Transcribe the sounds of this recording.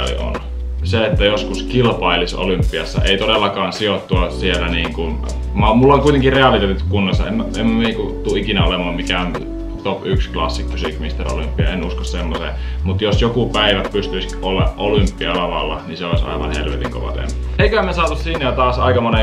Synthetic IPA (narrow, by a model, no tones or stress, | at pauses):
ɑ̰lḭo̰n | seet̪ːæjoskuskilpɑiliso̰lympːiɑsːɑ̰ḛit̪odelːɑkɑːnsiot̪ːuɑsielːæniːŋkun | mɑmulːoŋkuit̪eŋkireɑlit̪eːt̪it̪ykkunːɑsːɑ̰ḛmemːniːŋkut̪uikinæolemɑːmmikæon | t̪opyksklɑsːikmysiːkmist̪ero̰lympːiɑ̰enuskossemːosḛmut̪josjokupæiʋæpyst̪yisolːɑ̰ʔolympːiɑlːɑʋɑ̰lːɑniseoˑisʲɑ̰ˑiʋɑ̰nhḛlʋḛt̪iŋko̰ʋɑ̰t̪ḛmpːo̥eikøæmesɑːt̪ussinːæjɑt̪ɑːsɑ̰ikɑmone